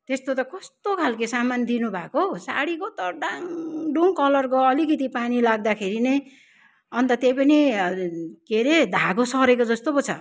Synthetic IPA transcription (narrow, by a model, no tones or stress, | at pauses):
t̪est̪ot̪ʌkʌst̪okʰalkesamand̪inubʱakosa̰ɽikot̪ʌɖaŋɖuŋkʌlʌrkoʌlikit̪ipanilaɡ̚d̪akʰeɾinej | ʌnt̪ʌt̪ejpʌni | keɾed̪ʱaɡosʌɾek̬od͡zʌst̪opʌt͡sʰʌ̰